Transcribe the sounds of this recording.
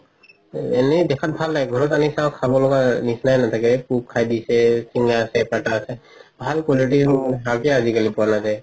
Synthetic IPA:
ɛnɛdɛkʰat̚bʱalːaɡɡʱɔɹɔtanisãkʰabɔlɔɡanisnajnat̪ʰakɛpukkʰːajdisɛsiŋaːsɛpɹaʈaːsɛ | bʱalkɔliʈ̬iɦakɛazikalipuanazaj

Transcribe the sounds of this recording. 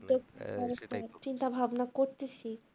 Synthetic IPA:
d̪oaɾeat͡ɕint̪abʱabnakoɾt̪et͡ɕʰi

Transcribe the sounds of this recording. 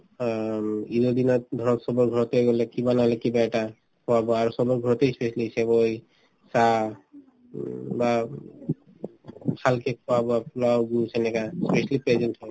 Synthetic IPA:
id̪od̪inɔd̪ʱɔɹɔt̪sɔbɔɹɡʱɔɹɔt̪eɡɔlɛkibanaɦɔlɛkibaɛʈa | kʰɔwabɔaɹusɔbɔɹɡʱɔɹɔt̪ejspesalisɛboj | sa | ba | pʰalkɛkʰɔwabɔaplawɡusɛnɛkaspesalipɹɛzɛnthɔj

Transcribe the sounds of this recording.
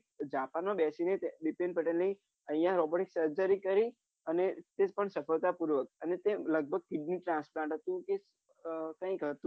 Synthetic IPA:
d͡ʒapanobɛsinet̪ɖipẽnɖpəʈenləi | ə̃ĩjãɾɔboʈeksəɾd͡ʒəɾikəɾi | ənet̪epəɳsəfəlt̪apuɾʋək̚ənet̪eləɡ̚bʱəɡ̚kɪɖniʈɾãnsplãɳʈɦət̪ũke | kə̃ĩkət̪ũ

